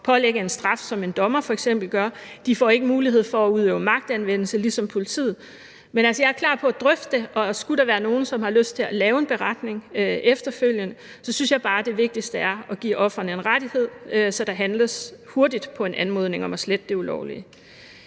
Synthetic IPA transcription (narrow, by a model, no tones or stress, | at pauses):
pʰɒ̽leɡ̥əe̝nsd̥ʁɑ̈fsɒ̽me̝nd̥ɒ̽mɐfɒ̽eɡ̥sem̰b̥l̩ɡ̥ɶɐd̥ifɒ̰ːe̝ɡ̥əmuːliɦe̝ð̞̰ˠfɒ̽ːuð̞ˠøːʊəmɑ̈ɡ̥̚d̥ænʋen̰l̩səlisɒ̽mpʰo̝lit͡sʰḭːð̩ˠ | menælsəjɑ̈æɐkʰl̥ɑ̰̈ːpʰɒ̽æd̥ʁœfd̥eʔɒ̽sɡ̥uɾ̥ɑ̈ʋæɐno̝ːn̩sɒ̽mhɑ̈løsd̥t͡sʰe̝lælɛːʊe̝nb̥e̝ʁɑd̥ne̝ŋøʔefd̥ɐføl̰jənə | sɒ̽synsjɑ̈ɪb̥ɑ̈ːd̥e̝ʋe̝ɡ̥̚d̥isd̥əæɐɒ̽ɡ̥ḭːɒ̽fʁɐnəe̝nʁad̥ihe̝ð̞̰ˠøsɒ̽d̥ɑ̈ɦænləsho̝ɐd̥id̥pʰɒ̽e̝nʔænmo̝ðˠne̝ŋɒ̽mæsled̥əd̥e̝ulɒ̰ʊ̰li